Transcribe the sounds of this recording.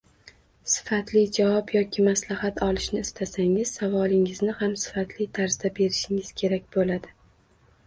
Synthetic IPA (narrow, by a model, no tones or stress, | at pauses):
sɪ̥fat̪lɪd͡ʒavɒpjɒkʲʰɪmaslahat̪ɒlˠɪʃnɪɪst̪ʰasaŋɪz̥savɒlˠɪŋɪznɪhamsɪ̥fat̪ʰlɪt̪ʰaɾz̥d̪abe̞ɾɪʃɪŋɪz̥kʲʰe̞ɾak̚ʲbolad̪ɪ